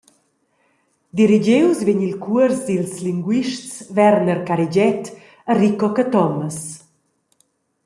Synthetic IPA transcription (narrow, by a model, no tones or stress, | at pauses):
d̪iɾid͡ʑewsviɲilkuəɾsdilsliŋɡwiʃtt͡svɛɾnəɾkaɾid͡ʑɛt̪ | ərikɔkət̪ɔməs